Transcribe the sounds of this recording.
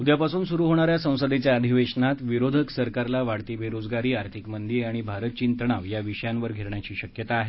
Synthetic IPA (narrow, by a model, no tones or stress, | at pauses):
ud̪japasuːnsuɾuɦoɽ̃aɾjasə̃w̃səd̪et͡ɕjaəd̪ʱiʋeʂnat̪ʋiɾod̪ʱəksəɾkaɾlaʋaɽt̪ibʱeɾod͡zɡaɾiːaɾt̪ʰikmənd̪iɾaɽ̃ibʱaɾət̪t͡ɕint̪ɳ̃aʋjaʋiɕəjãnʋəɾɡʱeɾɳjat͡ɕiːɕəkjət̪aːɦe